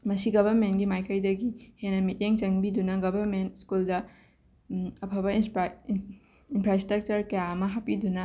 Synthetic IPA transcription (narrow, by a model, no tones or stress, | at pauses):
mɐsiɡɐbʱɐɾmentɡimajkɐjdɐɡihenɐmit̚jeŋt͡ʃɐŋbidunɐɡɐbʱɐɾmentskuldɐ | ɐpʰɐbɐ | inpʰɾastɾɐk̚t͡ʃɐɾkɐjaɐmɐɦapidunɐ